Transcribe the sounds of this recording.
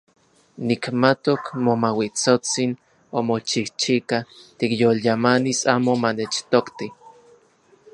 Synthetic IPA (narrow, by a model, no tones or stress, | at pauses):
nikmat̪okmomawit͡sot͡sin | omot͡ʃiht͡ʃikat̪ikjoljamanisaːmomanet͡ʃt̪okt̪i